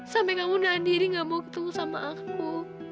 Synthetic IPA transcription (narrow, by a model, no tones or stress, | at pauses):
sampɛkamunandiɾiŋɡamɔki̥t̪uusamaʔak̚u